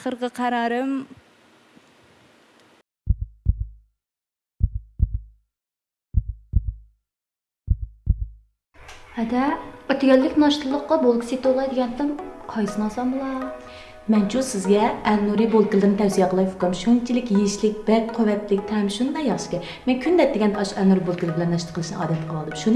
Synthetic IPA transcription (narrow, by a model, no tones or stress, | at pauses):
qʰəɾʁəqʰɑɾɑːɾɨm | hɛd̪ɛøt̪ʰɡʲɛlːɪkʲnɑʃt̪ɨlˠːəqːɑbolˠkʰʲi̥sit̪olˠɑjd̪ɪɡʲɛnt̪ɨmqʰɑjsɨnɑsɑmbɨlˠɑ | mɛnt͡ʃʰusɪzɡʲɛɛnːuɾibolˠkʲilˠɨd̪ɾnɪt̪ʰɛwsijɛqʰəlˠɑjok̪ɑmʃont͡ʃʰilɪkʲjeʃlɪk̚ʲb̥ɛk̚ʲqʰøwɛt̪lɪk̚ʲt̪ʰɛmʃund̪ɑjɑχʃɪ̥kʲɛ | mɛnkʲʰynd̪ɛt̪̚d̪ɪɡʲɛnd̪ɑʃɛnːuɾibolˠkʲilˠɾbɪlɛnːɑʃt̪ə̥qʰəlˠɨʃnɨ̰ʔɑ̰ːd̪ɛt̪qʰəlˠɑlˠd̪ɨmʃun